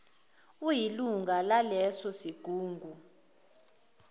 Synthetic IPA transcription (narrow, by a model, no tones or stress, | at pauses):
ujiluŋɡʱalalɛsɔsiɡ̥ʱuːŋɡʱu